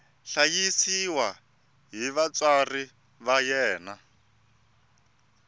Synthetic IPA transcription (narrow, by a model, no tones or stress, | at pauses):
ɬajisiwa | ɦiβat͡sari | βajɛːna